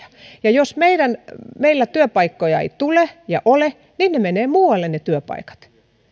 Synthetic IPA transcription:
ɑ̥jɑjosmeiɾænmeilːæt̪yøpɑikːojɑḛit̪ulejɑʔole | ninnemeneːmuːwɑlːennet̪yøpɑ̰ikɑ̥t̪

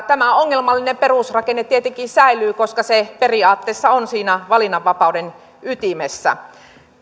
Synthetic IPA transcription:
t̪æmæoŋːelmɑlːinemperusrɑkenːet̪t̪iet̪eŋkinsæilˑyːkoskɑseperiɑːt̪ːeːsːɑonsiːnæʋɑlinːɑʋːɑpɑuden | yt̪imesːæ̰

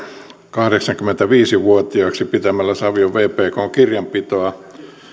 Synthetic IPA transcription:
kɑhɾeksɑŋkyment̪æʋiːsiʋuot̪iɑksipit̪æmælːæsɑʋioʋʋeːpeːkooŋkirjɑmpit̪oɑ

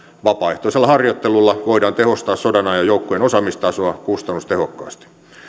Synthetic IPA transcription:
ʋɑpɑːeht̪oiselːɑhɑrjot̪ːelulːɑʋoiɾɑːnt̪ehost̪ɑːssodɑnɑːjɑjoukːoenosɑmist̪ɑsoɑkust̪ɑnust̪ehokːɑ̰ːst̪i̥

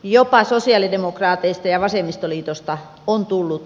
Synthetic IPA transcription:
jopɑsosiɑˑlidemokrɑːt̪eist̪ɑjɑʋɑsemist̪oliːt̪ost̪ɑ | ont̪ulːut̪

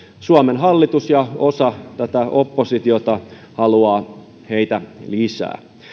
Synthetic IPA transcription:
suɑmenɦɑlːit̪usjɑosɑt̪æt̪æopːosit̪iot̪ɑ | hɑluɑː | heit̪ælisæ̰ː

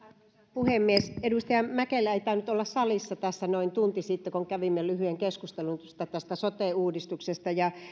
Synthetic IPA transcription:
puhemːiesedust̪ɑjɑmækelːæeit̪æynyt̪olːɑssɑlisːɑt̪æsːænoint̪unt̪isiˑt̪ːekoŋkæʋimːelyhyeŋkeskust̪elunst̪ːæt̪æst̪æsot̪eˑuːdist̪uksest̪ɑjɑ

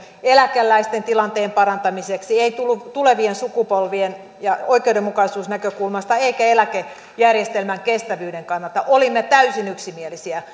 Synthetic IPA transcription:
elækelːæist̪ent̪ilɑnt̪eːmpɑrɑnt̪ɑmiseksieit̪ulːut̪uleʋiensukupolʋien | jɑoikeudemːukɑisuːsnækøkulmɑst̪ɑeikæelæke | jærjest̪elmæŋkest̪æʋyːdeŋkɑnːɑlt̪ɑʔolimːet̪æysinyksimielisiæ

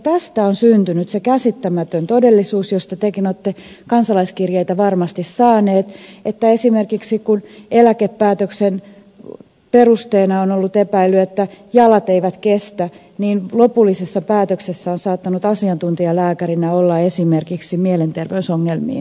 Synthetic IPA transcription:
t̪æst̪æonsynt̪ynyt̪sekæsit̪ːæmæt̪ønt̪odelːisuːsjost̪ɑt̪ekinot̪ːe | kɑnsɑlɑiskirjeit̪æʋɑrmɑst̪issɑːneːt̪et̪ːæesimerkiksikunelækepːæːt̪øksen | perust̪eːnɑonolːut̪epæilyet̪ːæjɑlɑt̪eiʋæt̪kest̪æ | niːnlopulːisesːɑpæːt̪øksesːæonsɑːt̪ːɑnut̪ɑsiɑnt̪unt̪iɑlæːkærinæolːɑesimerkiksimielent̪erʋeysoŋːelmḭː

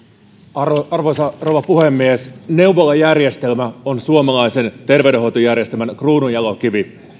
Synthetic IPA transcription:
rɑrʋosɑrowʋɑpuhemːiesne̞uʋolɑjærje̞st̪e̞lmæonsuomɑlɑjse̞nt̪e̞rʋewdeɦo̞jt̪ojærjest̪elmænkruːnujɑlokiʋi

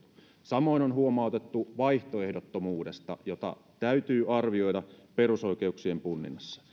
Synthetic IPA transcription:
sɑmo̞inonɦuomɑˑut̪et̪ːuʋɑiht̪oe̞hdot̪ːomuːdest̪ɑ̰jot̪ɑ̰ | t̪æyt̪yːɑrʋio̞jdɑpe̞ruso̞ikeuksie̞mpunːḭnːɑsːɑ̥

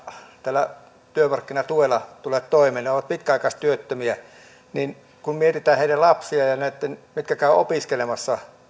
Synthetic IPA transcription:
t̪æːlːæ | t̪yømɑrkːinɑt̪uelɑt̪uleːt̪t̪oˑimeːneoʋɑt̪̚pit̪̚kæɑˑikɑst̪yøt̪ːømiæ | nin | kummiet̪it̪æːheˑilællɑpsiɑjɑnæˑet̪ːenmit̪kækæˑøʔo̰piskelemɑsːɑ

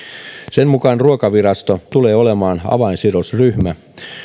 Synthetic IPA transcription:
senmukɑnruokɑʋirɑst̪ot̪uleːolemɑːnɑ̰ʋɑinsiɾosryhmæ

